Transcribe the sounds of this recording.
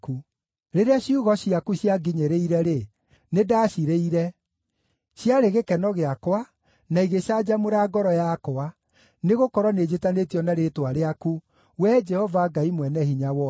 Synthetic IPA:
ku | ɾeɾeaɕiuɣɔɕiakuɕjaɡiɲeɾeiɾɛɾe | nedaːɕiɾeiɾɛ | ɕjaɾeɣekɛnɔɣeakwa | naiɣeɕad͡ʑamoɾaɡɔɾɔjakoa | neɣokɔɾwɔned͡ʑetanetijɔnaɾetwaɾeaku | wɛd͡ʒɛhɔvaɡaimwɛnɛhiɲawɔ

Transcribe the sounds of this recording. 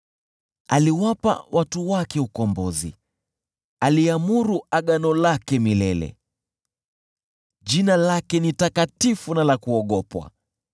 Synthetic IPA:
aliwapa̰wʔatuwakɛukɔmbɔzḭ | aliamuɾuaɠanɔlakɛmilɛlɛ̰ | ʄinalakɛnitakatifunalakuɔɠɔpwa̰

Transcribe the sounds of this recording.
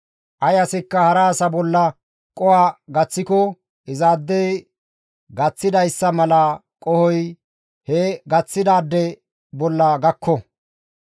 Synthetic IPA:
ʔɐjɐsɪkːɐhɐɾaːsɐbɔlːɐ | kʼɔwaːɡɐt͡sːɪkɔ | ʔɪzaːd̪ːɛj | ɡɐt͡sːɪd̪ɐjsːɐmɐlɐ | kʼɔhɔj | hɛɡɐt͡sːɪd̪aːd̪ːɛ | bɔlːɐɡɐkʰːɔ

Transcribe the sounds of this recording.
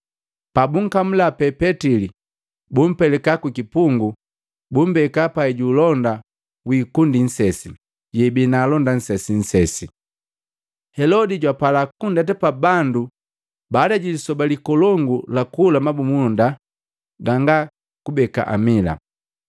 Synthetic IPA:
pabuŋ̩kam̩lapɛpɛtili | bum̩pɛlɛkakukipuŋɡu | bum̩bɛkapaɛɟuːlɔnda | wiːkundin̩sɛsi | ɟɛbinaːlɔndan̩sɛsin̩sɛsi | hɛlɔdiɟwapalakundat̬ɛpabandu | baːdaɟilisɔbalikɔlɔŋɡulakulamabumunda | ɡaŋɡa | kubɛka̰ʔa̰mila̰

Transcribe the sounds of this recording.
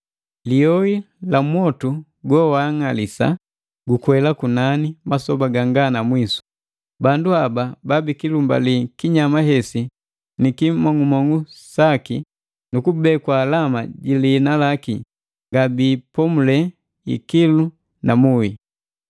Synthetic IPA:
lijɔi | lamwɔtu | ɡɔwaŋalisa̰ | ɡukwɛlakunanimasɔbaɡaŋɡanamwisu̥ | banduabababikilumba̰likiɲamaɦɛsi | nikimɔŋumɔŋusaki | nukubɛkwaːlamaɟiliːnalaki | ŋɡabipɔmulɛ | ḭkilu | namui

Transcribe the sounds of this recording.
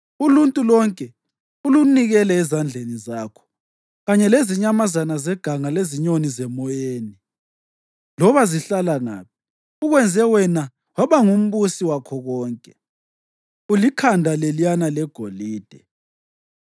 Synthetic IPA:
uluntʼulɔŋkʼɛ | uluniɣɛlɛɛzand͡ɮʱenizaːkʰɔ̥ | ɣaɲɛleziɲamazanazɛɡ̥ʱaŋaleziɲonizɛmɔjeːni | lɔβaziɬalaŋa̰ːp̚ʰi | uɣwɛnd͡zʱɛwɛna | waβaŋum̩βusiwakʰɔɣɔːŋkʼɛ | ulikʰandʱalelijanalɛɡ̥ʱoliːd̥ʱɛ

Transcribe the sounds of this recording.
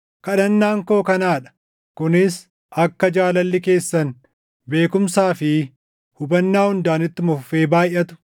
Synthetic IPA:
kɐᶑɐnːaːŋko̞ːkɐnaːᶑɐ̥ | kʊnɪs | ʔɐkːɐd͡ʒaːlɐlːɪke̞ːsːɐn | be̞ːkʊmsaːfɪ | hʊbɐnːaːhʊnd̪aːnɪt̪ːɪmʊfːe̞ːbaːjʔɐt̪ʊ̥

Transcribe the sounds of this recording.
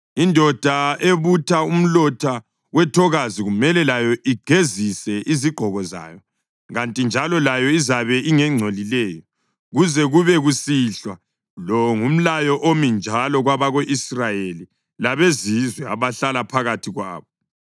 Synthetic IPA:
indʱɔd̥ʱaeβutʰaum̩lɔtʰa | wɛtʰɔɣaziɣumɛlɛlajɔʔiɡ̥ʱezisɛʔiziɡ͡ǃʱɔɣɔza̰ːjɔ | ɣantʼind͡ʒʱalɔlajɔizaβɛʔiŋɛŋ͡ǀʱolilɛːjɔ | ɣuzɛɣuβɛɣusiɬwa | lɔŋum̩lajɔʔomind͡ʒʱalɔɣwaβaɣoʔisrajeli | laβezizwɛa̰βaɬalapʰaɣatʰiɣwa̰ːβɔ

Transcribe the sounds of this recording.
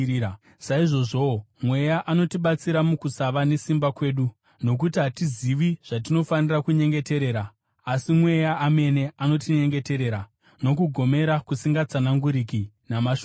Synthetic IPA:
saiʐo̞ʐo̞mwe̞jaʔano̞tiɓat͡siɾamukusaʋane̞simbakwe̞ːɗu | no̞k̬utiɦatiziʋiʐ̥at̬ino̞fanirakuɲe̞ŋɡe̞te̞ɾe̞ːɾaː | simwe̞jaːme̞ne̞ano̞tiɲe̞ŋɡe̞te̞ɾe̞ɾa | no̞k̬uɡʱo̞me̞ɾakusiŋɡat͡sanaŋɡuɾiki | namaʃ

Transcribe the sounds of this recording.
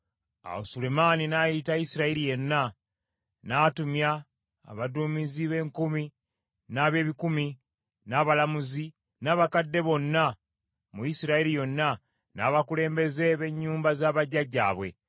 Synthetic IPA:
a̰o̰sulemaːninajitajisiɾaiɾije̞nːa | naːtumja̰ː | βaduːmiziβe̞ːŋkumi | naːβje̞ːβikumi | naːβalamuzi | naːβakadːe̞βo̞nːa | mujisiɾaiɾijo̞nːa | naːβakule̞ːmbe̞ze̞βe̞ɲːuːmbazaːβaɟaɟa̰ːβwe̞̰

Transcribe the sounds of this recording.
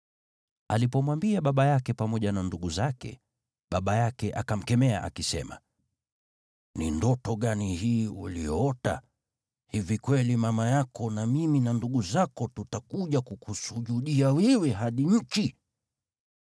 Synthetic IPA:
alipɔmwambiaɓaɓajakɛpamɔʄananduɠuzakɛ̰ | ɓaɓajakɛʔakam̩kɛmɛa̰ʔa̰kisɛ̰ma̰ | nḭndɔtɔɠanihiːṵlḭjɔɔta̰ | hivikwɛlimamajakɔnamiminanduɠuzakɔtutakuʄakukusuʄuɗiawiwɛɦaɗiɲ̩t͡ʃi

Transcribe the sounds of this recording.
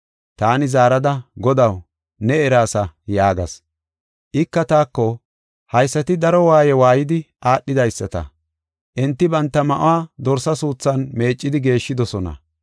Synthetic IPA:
t̪aːnɪzaːɾɐd̪ɐɡɔd̪ɐw | nɛɛɾaːsɐjaːɡɐ̰s | ʔɪkːɐt̪aːkːɔ | hɐjsːɐt̪ɪd̪ɐɾɔwaːjɛwaːjɪd̪ɪʔaːɗːɪd̪ɐjsːɐt̪ɐ̰ | ʔɛnt̪ːɪbɐnt̪ːɐmɐʔʊ̰waːd̪ɔɾsɐsuːt͡sːɐnme̞ːt͡ʃʼːɪd̪ɪɡe̞ːʃːɪd̪ɔsɔnɐ̰

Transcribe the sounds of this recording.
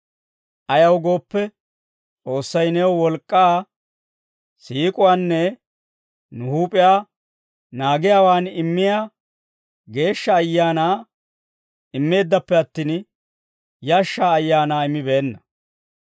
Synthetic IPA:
ʔɐjɐwɡo̞ːpːɛ | t͡sʼo̞ːsːɐjnɛwwɔlkʼːaː | siːkʼʊwaːnːɛ | nʊhuːpʼɪjaː | naːɡɪjaːwaːnɪmːɪjaː | ɡe̞ːʃːɐːjːaːnaː | ɪmːe̞ːd̪ːɐpːɛɐt̪ːiːn | jaːʃːaːjːaːnaːɪmːɪbeːnːɐ

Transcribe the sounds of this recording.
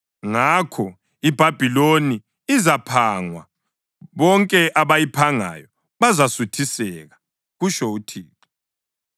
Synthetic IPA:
ŋakʰɔ | ib̥ʱab̥ʱiloniː | zapʰaŋwa̰ | βɔŋkʼɛʔaβajipʰaŋa̰jɔ | βazasutʰisɛɣa | ɣuʃoutʰiːtʰɔ̥

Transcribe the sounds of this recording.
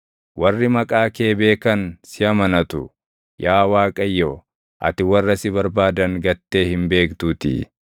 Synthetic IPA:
wɐrːɪmɐkʼaːke̞ːbe̞ːkɐnsɪɐmɐnɐt̪ʊ̰ | jaːwaːkʼɐjːo | ʔɐ̰t̪ɪwɐrːɐsɪbɐɾbaːd̪ɐŋɡɐt̪ːe̞ːhɪmbe̞ːkt̪uːt̪ɪ̰

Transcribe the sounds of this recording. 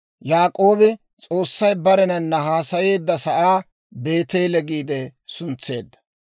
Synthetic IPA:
jaːkʼo̞ːbɪ | t͡sʼo̞ːsːɐjbɐɾɛnɐnːɐɦaːsɐje̞ːd̪ːɐsɐʔaː | be̞ːt̪eːlɛɡiːd̪ɛsʊnt͡sːe̞ːd̪ːɐ̥

